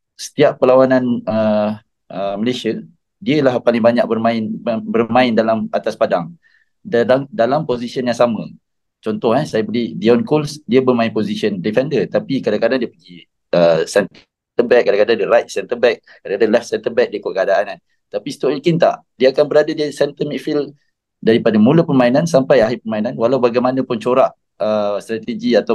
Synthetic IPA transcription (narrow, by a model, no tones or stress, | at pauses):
sə̥t̪iaʔpːəlawananə | ʔəməlesiə | diəlahpalɪŋbaɲak̚bərmãɪnbərmãɪndalamat̪aspadaŋ | dalamdalamposisiənjaŋsamə̃ | t͡ʃɔnt̪ɔhɛsajabəlidiɔnkɔlsdiabərmãɪnpozisiəndifɛndət̪apikadakadaŋdiəpəɡi | əsɛn | t̪əbɛk̚ːadakadaŋdiɾajt̪̚sɛnt̪əbɛk̚kːadakadaŋlɛf̚sɛnt̪əbɛk̚diəkəkəadaʔanan | t̪apist̪ɔʔikint̪a̰ʔ | diaakanbəɾadadiasɛnt̪əmiʔfil | daɾipadamũlapərmainansampajaɦipərmainanwalawbaɡajmanə̃pʊnt͡ʃoɾaʔ | əst̪ɾat̪əd͡ʒiat̪a